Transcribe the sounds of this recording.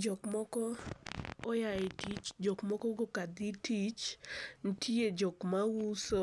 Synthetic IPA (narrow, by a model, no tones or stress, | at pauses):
d͡ʒɔkmɔkɔː | jaɪtit͡ʃd͡ʒɔkmɔkɔɡokad̪itit͡ʃn̩tʰied͡ʒɔkmawusɔ